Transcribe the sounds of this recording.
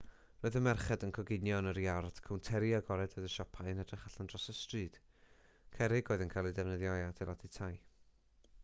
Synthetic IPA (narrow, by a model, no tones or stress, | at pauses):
roːɨðəmɛrχɛdənkʰɔɡɪnjɔnəɾiard̥kʰawntʰɛɾiaɡɔɾɛdoɨðəʃɔpʰaɨənɛdrɪχaɬandrɔsəstrɨːd̥ | kʰɛɾɪɡoːɨðənkʰajlˠidɛvnəðjɔjadʰɛlˠatʰitʰaj